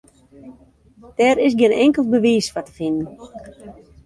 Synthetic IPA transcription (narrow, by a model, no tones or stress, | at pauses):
d̥ɛɾɪs̬ɡɪnɛŋkəlˠt̚bəʋiːsfatə̥fɪnən